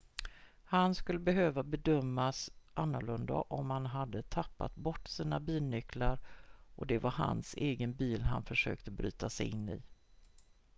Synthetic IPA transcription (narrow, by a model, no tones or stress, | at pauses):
hanskɵlːəbɛɦøːvabɛd̪œmːasʔanːʊɭɵnd̪a̰ʔɔmhanɦad̪ːət̪ʰapːa̰t̪bɔʈːsiːnabiːlnʏklaɾʔɔd̪ɛvaɾɦa̰nseːɡənbiːlɦa̰nfœʂø̰ːkt̪əbɾy̰ːt̪asɛjɪnːɪ̰